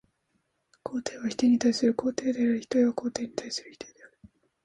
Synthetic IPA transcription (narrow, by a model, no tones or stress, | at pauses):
kʰo̞ːt̪e̞ːβaçi̥t̪e̞ɲ̟it̪aisɨɾɯ̟ko̞ːt̪e̞ːd̪e̞aɾɯ̟çi̥t̪o̞iβako̞ːt̪e̞ːɲ̟it̪aisɨɾɯ̟çi̥t̪e̞d̪eaɾɯ̟